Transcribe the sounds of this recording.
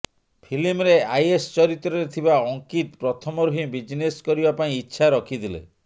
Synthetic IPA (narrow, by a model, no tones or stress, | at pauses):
pʰilimɾeajest͡ʃɔɾit̪ɾɔɾet̪ʰibaɔŋkit̪pɾɔt̪ʰɔmɔɾuɦibid͡ʒneskɔɾibapaĩitːʃʰaɾɔkʰid̪ilḛ